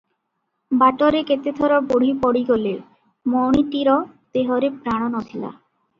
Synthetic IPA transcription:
baʈɔɾeket̪ed̪ʱɔɾɔboɽ̤ipɔɽiɡole | mɔwɽ̃iʈiɾɔt̪eɦɔɾepɾaɽ̃ɔnɔt̪ʰila̰

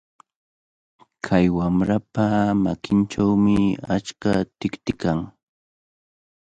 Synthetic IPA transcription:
kʰajwamɾapamakɪnʈ͡ʂawmɪat͡ʃkat̪ɪkt̪ɪkaŋ

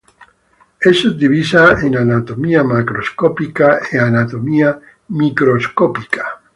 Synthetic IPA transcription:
esod̪iβisaenanat̪omiamakɾoskopikaeanat̪omia | mikɾoskopikʰḁ

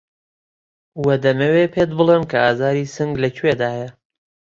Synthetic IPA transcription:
wɐd̪ɐmɐwepʰeːt̪̚bɨlˠemkʰɐaːzaːɾiːsɨŋɡlɐcʰwed̪aːjɐ

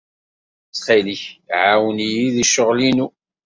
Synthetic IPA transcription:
t͡sːχiliçʕawnijiðiʃʊʁlinu

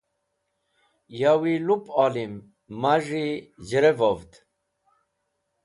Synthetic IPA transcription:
jawilupalimː | aʐid͡ʑəɾevavt̪

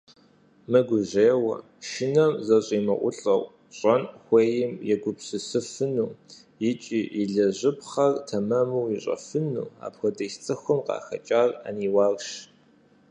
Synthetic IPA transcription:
mɨɡʷʊʑeːwɐ̰ | ʃɪnɐmzɐɕʼiːmɨʔʷʊ̰ɬʼɐwʷ | ɕʼɐnxʷeːjɪmjɛɡʷʊpɕɨsɨfɨnuː | jɪt͡ʃʼiːʔiɮɐʑɪpχɐrtʰɐmɐmuwiɕʼɐ̰fɨnṵːa̰ːpxʷɔdɐjst͡sʼɨxʷʊmqɑ̰ːxɐ̰t͡ʃʼaːra̰niːwɑːɣʃ

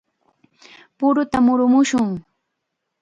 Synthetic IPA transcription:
pʊɾʊt̪amʊɾʊmʊʃʊŋ

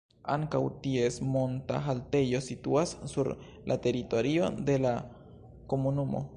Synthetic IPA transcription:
aŋkawt̪iesmont̪a̰ɦalt̪ejo̞sit̪uasːuɾ | lʔa̰t̪eɾit̪o̞ɾio̞̰d̪e̞la | komunumo̰

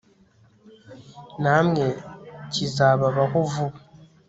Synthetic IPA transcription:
namŋecizaβaβakuvu

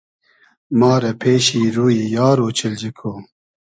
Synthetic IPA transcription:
mɑːɾɛpʰeːʃiːɾuːjiːjaːɾoːt͡ʃʰɪld͡ʒɪkʰoː

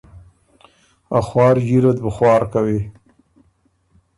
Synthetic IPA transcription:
axwɑːɾʒiɾad̪bəxwɑːɾkawi

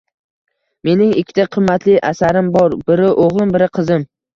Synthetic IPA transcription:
me̞nɪŋɪkʲʰːɪ̥t̪ʰaqʰɨmːat̪lɪʔasaɾɪmbɒɾbɪɾɪʔoʁlˠɪmbɪɾɪqʰɨzɪm

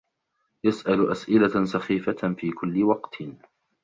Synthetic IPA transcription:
jasʔalʔasʔɪlasɑxiːfafiːkʊlːɪwɑqt̪

